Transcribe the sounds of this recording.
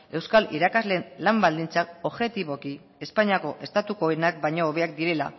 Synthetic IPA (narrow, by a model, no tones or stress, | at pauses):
e̞wskalḭɾakazlenlambald̪int͡sako̞βʝe̞t̪iβo̞ki | e̞spaɲiako̞ʔe̞st̪at̪uko̞enak̚bajɲoːβe̞ak̚d̪iɾe̞la̰